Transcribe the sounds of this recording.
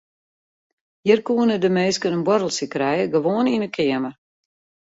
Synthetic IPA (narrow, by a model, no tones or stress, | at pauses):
jirkuənədəmeːskənənbwɔɾəl̩ˠsikɾɛjəɡəʋoəninəkʰɪəmə